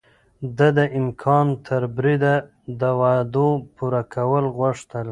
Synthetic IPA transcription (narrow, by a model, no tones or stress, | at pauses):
d̪əd̪əʔɪmkʰɑnt̪ʰəɾbɾid̪a | d̪əwad̪opuɾakʰawəlɣwaʂt̪əl